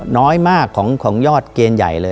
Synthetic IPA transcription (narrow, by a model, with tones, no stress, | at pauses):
nɔː˦˥jmaː˥˩kʰːɔː˩˦ŋkʰɔː˩˦ŋjɔː˥˩t̪̚keː˧nja̰˨˩jlɤː˧